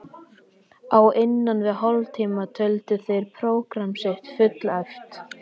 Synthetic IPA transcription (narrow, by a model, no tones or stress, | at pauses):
awʔɪnːanvɪðɦɔlt̪ʰiːmat̪ʰœlt̪ʏθejɾ̥pʰɾoːwkɾamsɪht̪fʏt̪laɥft̪